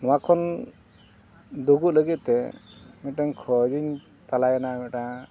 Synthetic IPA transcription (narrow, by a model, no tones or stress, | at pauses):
nɔwakʰɔn | d̪uɡut̪̚ləɡit̪̚t̪ɛmiʈaɲkʰɔd͡ʒiɲ | t̪alajanamɛʈa